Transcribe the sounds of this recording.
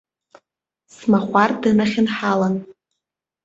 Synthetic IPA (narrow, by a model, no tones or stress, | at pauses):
smaχʷardɨnaχʲɪnħalan